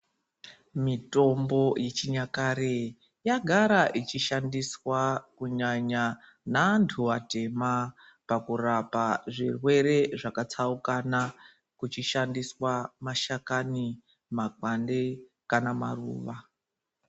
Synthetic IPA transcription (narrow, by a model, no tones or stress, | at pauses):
mito̞mbo̞jet͡ʃiɲakaɾe | jaɡʱaɾaʔit͡ʃiʃandiswakuɲaɲa | nantʰuate̞ma | pakurapaʐirwe̞ɾe̞ʐakat͡saukana | kut͡ʃiʃandiswamaʃakani | makwande | kanama̰rṵːʋa